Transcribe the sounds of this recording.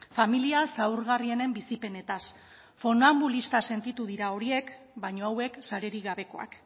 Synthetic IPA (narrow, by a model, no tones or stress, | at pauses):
familiasawɾɣarie̞ne̞mbisipe̞ne̞t̪as | fo̞nambulist̪ase̞nt̪it̪uðiɾao̞ɾie̞k | bajɲo̞awe̞ksaɾe̞ɾiɣaβe̞ko̞a̰k